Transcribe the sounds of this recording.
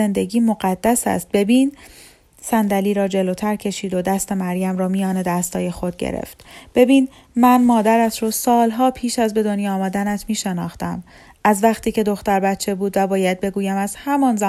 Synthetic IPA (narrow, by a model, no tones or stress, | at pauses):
e̞nd̪e̞ɟiːmoɢæd̪̥ːæsæ̰st̪̚be̞biːn | sænd̪æliːɾɒːd͡ʒe̞loːt̪ʰæɾcʰe̞ʃiːd̪od̪æst̪e̞mæɾjæmɾɒːmijɒːne̞d̪æst̪hɒːje̞xo̞d̪̚ɟḛɾḛft̪b̥e̞biːn | mænmɒːd̪æɾæt̪ʰrosɒːlɦɒːpʰiːʃæzbe̞d̪o̞njɒɒːmɒːd̪ænæt̪ʰmiːʃe̞nɒ̰ːχt̪æm | ʔæzvæχt̪ʰiːce̞d̪o̞xt̪æɾbæt̪t͡ʃʰe̞buːd̪væbɒːjæd̪̚be̞ɡuːjæmæz̥hæmɒːnzæ